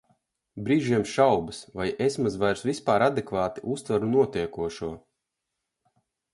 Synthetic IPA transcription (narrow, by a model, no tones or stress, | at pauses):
bɾiːʒiɛmʃawbɨsvajesmazvajɾsvispaːɾad̪ɛkvaːt̪iʔust̪vaɾunuɔt̪ʲiɛkuɔʃuɔ